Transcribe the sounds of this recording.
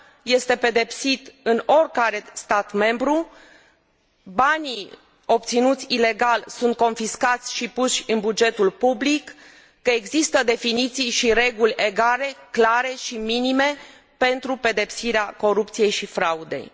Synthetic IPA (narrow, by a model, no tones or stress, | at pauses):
je̞st̪e̞pe̞d̪e̞psit̪ɨno̞rʲkaɾe̞st̪at̪me̞mbɾu | bani | o̞p̚t̪sinut̪sʲile̞ɡalsunt̪̚ko̞nfiskat̪sʲʃipuʃʲɨnbud͡ʒe̞t̪ulpublikː | əe̞ɡzist̪əd̪e̞finit̪sijʃiɾe̞ɡulʲe̞ɡale̞klaɾe̞ʃiminime̞ | pe̞nt̪ɾupe̞d̪e̞psiɾeako̞ɾupt̪sije̞jʃifɾaud̪e̞̰j